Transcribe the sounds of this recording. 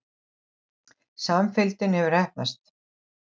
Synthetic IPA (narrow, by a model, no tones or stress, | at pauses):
samfɪlt̪ɪnhɛvʏɾɛhp̚na̰st̪